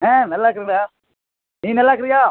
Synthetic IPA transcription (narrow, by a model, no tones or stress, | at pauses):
ẽːnɐlːaːkːɪɾiŋɡɾɐjaː | niːnɐlːaːk̬ːɪɾɪjaː